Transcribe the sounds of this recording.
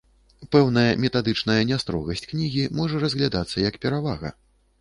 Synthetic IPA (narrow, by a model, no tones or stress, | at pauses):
pɛwnɐjɐmʲɛt̪ad̪ɨt͡ʂnɐjɐnʲast̪ɾɔ̰ɣɐsʲt͡sʲknʲiɣʲimɔʐɐrɐzʲɣlʲad̪at̪sːɐjɐkpʲɛɾavaɣɐ̰